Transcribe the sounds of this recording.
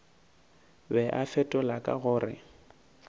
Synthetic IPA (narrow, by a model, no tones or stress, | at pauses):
bɛʔafɛtʼɔlakʼa̰ɣʊːrɪ̰